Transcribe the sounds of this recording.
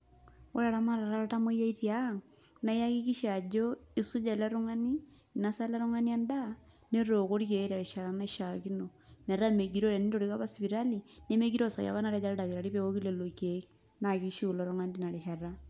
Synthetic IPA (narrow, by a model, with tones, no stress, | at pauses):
wo˦ɾa˨ɾa˦ma˦ɾa˨ɾa˦ɾa˦ta˦mo˦ja˦i˦ɾja˦ŋ | na˦ja˦ki˦ki˦ʃi˦a˨d͡ʒo˦i˦su˦d͡ʒa˦˨la˦ɾu˦ŋa˦ni˦˨ | na˦sa˦la˦ɾu˦ŋa˦ni˦a˦nda | ne˦ɾo˨ko˦ɾi˦ke˨˦ɾa˨ɾi˨ʃa˨ɾa˨na˦i˦ʃaki˦no˨nɛ˨ɾa˦me˨ɡi˨ɾo˦ɾe˨ni˦to˨ɾi˦ka˦βa˦spi˨ɾa˦li˨ne˦me˦ɡi˦ɾo˦˨sa̰˨ja̰βa˦na˦ɾa˦d͡ʒa˦ɾɛ˦da˨ki˨ɾa˨ɾi˦pe˦o˦ki˦le˨lo˨kek̚ | na˨ki˦ʃi˦u˨lɔɾo˦ŋa˦nti˦na˨ɾi˨hɛ˨ra